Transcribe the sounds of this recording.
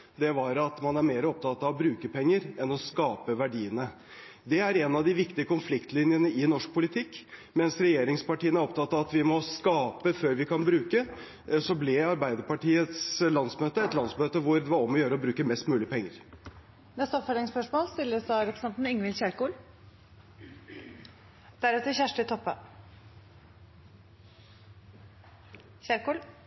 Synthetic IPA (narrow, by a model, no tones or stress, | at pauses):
d̪ɛʋɑɾɑt̪mɑnæɾmeːɾəɔp̚t̪ʰɑt̪ːɑʋɔbɾʉːkəpʰɛŋːəɾɛnɔskɑːpəʋæɖiːənə | d̪ɛæɾɛnɑd̪ɪʋɪkt̪ɪəkʰʊnflɪkt̪lɪnjənəɪnɔʂk̚pʰʊlɪt̪ʰɪkːmɛnsɾɛjeːɾɪŋspɑʈiːənæɾɔpt̪ʰɑt̪ːɑɑt̪ʋɪmɔskɑːpəføːɾʋɪkʰɑnbɾʉːkə | sɔblɛɑɾbæɪd̪əɾpɑʈiːət̪slɑnsmøːt̪əɛt̪lɑnsmøːt̪əʋʊɾd̪ɛʋɑɾɔmːɔjøːɾəɔbɾʉːkəmɛst̪mʉːlɪəpʰɛŋːəɾ | nɛst̪əɔpfød̪ɾɪŋspœʂmoːlst̪ɪlːəsɑɾɛpɾəsɛnt̪n̩ɪŋʋɪlçæːɾkuːl | d̪̥æɾʉt̪əçæʂʈət̪ʰɔpːə | çæɾkuːl